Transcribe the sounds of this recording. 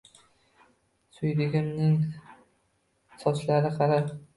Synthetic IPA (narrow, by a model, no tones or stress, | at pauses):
sʊjd̪ɪɡʲɪmnɪŋ | sɒt͡ʃlaɾɪqʰɑɾap